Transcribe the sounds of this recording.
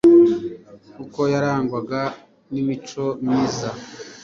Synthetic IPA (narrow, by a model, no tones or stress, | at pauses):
kuko̞jaɾaːŋɡwaɡa | nimit͡ʃo̞miza